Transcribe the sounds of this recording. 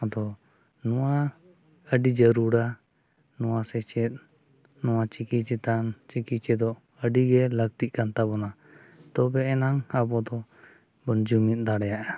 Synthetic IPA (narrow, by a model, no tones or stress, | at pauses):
ɔd̪ɔ | nɔwa | əɖid͡ʒəɾuɽa | nɔwasɛt͡ʃɛt̪̚ | nɔwat͡ʃikit͡ʃɛt̪ant͡ʃikit͡ʃɛd̪ɔ | əɖiɡɛlək̚t̪iʔ̚kant̪abɔna | t̪ɔbɛɛnaŋabɔd̪ɔ | bɔnd͡ʒumit̪̚ˀd̪aɽɛjaʔa